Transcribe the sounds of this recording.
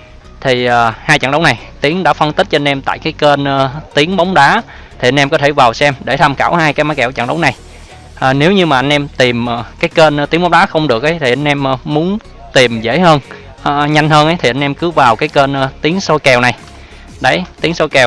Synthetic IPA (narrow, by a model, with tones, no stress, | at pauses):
t̪ʰi˨˩aː˨˩haː˧jt͡ɕa̰˧˩ŋɗə˨˦wna˨˩j | t̪i˨˦əŋɗa̰ː˧˥fə˧nt̪i˦˥t̚t͡ɕɔ˧nʔɛ˧mt̪a̰ː˧˨jkaː˨˦jke˧nː˧t̪i˨˦əŋɓa˨˦wŋ͡mɗaː˨˦˥ | t̪ʰi˨˩ʔa˧n̟ɛ˧mkɔ˨˦t̪ʰe˧˩vaː˨˩wsɛ˧mɗe˧˩t̪ʰa˧mkaː˧˩whaː˧jkaː˨˦jmaː˨˦kɛ̰˧˩wt͡ɕa̰˧˨˩ŋɗə˨˦wŋ͡mna˨˩j | ʔaː˨˩ne˨˦wɲɨ˧maː˨˩ʔa˧jŋ̟ʔɛ˧mt̪i˨˩mː˨˩kaː˨˦jke˧n˧t̪i˨˦ŋɓɔ˨˦ŋ͡mɗaː˨˦xə˧wŋ͡mɗɨ˨˩ək̚ʔə˨˦jt̪ʰi˨˩ʔa˧jŋ̟ʔɛ˧m˨mu˨˦ən | t̪i˨˩mzḛ˧˥˩həː˧n | ʔːɲa˧jŋ̟həː˧nʔə˨˦jt̪ʰi˨˩ʔa˧ŋʔɛ˧mkɨ˨˦vaː˨˩wkaː˨˦jke˧nː˧t̪i˨˦əŋso˧jkɛ˨˩wna˨˩j | ɗə˨˦jt̪i˨˦əŋso˧jkɛ˨˩w